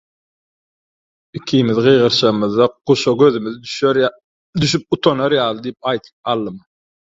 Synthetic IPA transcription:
ikʲʰimiðɢɯjʁɯɾʃɯʁɯmɯðːɑquʃoɡøðymyð | d̪yʃyp̚ut̪ʰonoɾjɑːlˠɯd̪ijip̚ɑjt̪ʰɯ̥p̚ɑlˠːɯm

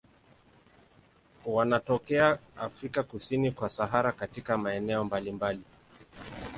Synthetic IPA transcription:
wanatɔkɛaafɾikakusinikwasaɦaɾakatikamaɛnɛɔmbalimbali

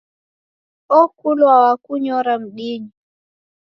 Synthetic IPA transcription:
ɔkulwawakuɲɔɾam̩ɗiɲi

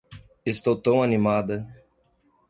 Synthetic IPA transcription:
est̪owt̪ɐ̃w̃animad̪ɐ

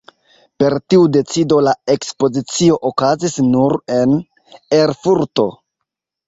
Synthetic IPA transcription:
pe̞ɾtiude̞t͡sido̞lae̞kspo̞zit͡sio̞ʔokazisnuɾe̞n | eɾfuɾto̞̰

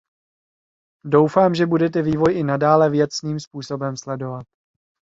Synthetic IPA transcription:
do̞wfaːmʒɛbudɛt̪ɛviːvo̞jʔɪnadaːlɛvjɛt̪sniːmspuːso̞bɛmslɛdo̞vat̪

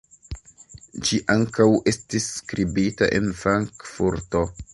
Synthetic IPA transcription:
d͡ʒiʔaŋkawe̞stisːkɾibita̰ʔe̞̰nfɾaŋkfuɾto̞

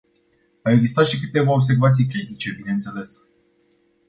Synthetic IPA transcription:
aweɡzist̪at̪ʃik̬ɨt̪e̞vaobs̬e̞rvat̪sijk̬ɾit̪it͡ʃe̞bine̞nt̪se̞le̞s

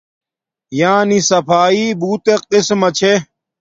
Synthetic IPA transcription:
jãːnisɐpʰaːiːbuːt̪eqismɐt͡ɕʰe

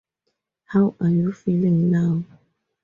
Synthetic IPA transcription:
hawajufiliŋna

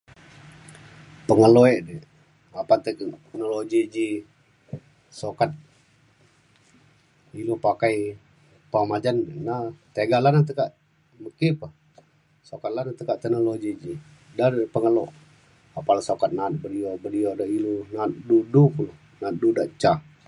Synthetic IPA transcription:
pəŋəloɛʔdɛ | apat̪əkt̪ənolod͡ʒid͡ʒi | sokat̪̚ | ilupakaj | pamad͡ʒannat̪eɡalanat̪əkaʔ | məkipa | sokat̪̚lanat̪əkaʔt̪ɛnolod͡ʒid͡ʒi | dadpəŋəloʔ | apalasokat̪̚nat̪̚bədiobədiodaʔilunat̪̚dudukulo | nat̪̚dudaʔt͡ʃa

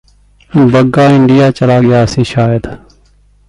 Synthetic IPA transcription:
bəɡaːɪɳɖɪjaːt͡ʃəlaːɡɪjaːsĩːʃaːjəd̪

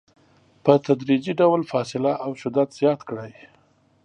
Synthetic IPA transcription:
pət̪ad̪ɾid͡ʒiɖawlfɑsɪlaʔawʃʊd̪ad̪z̥jɑt̪kɽaj

